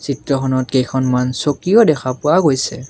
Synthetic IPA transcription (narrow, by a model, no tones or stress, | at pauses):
sitɹɔkʰɔnɔtkejkʰɔnmansokijɔdɛxʰapʊaɡojsɛ